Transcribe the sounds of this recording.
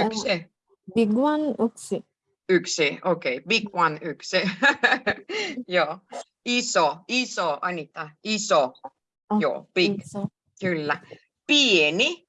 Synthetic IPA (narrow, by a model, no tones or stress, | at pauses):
ykse | biɡwanuksi | yksiokejbiɡwanyksi | jo | isoisoʔanit̪aiso | jo̰b̥iɡ | kylːa | pieni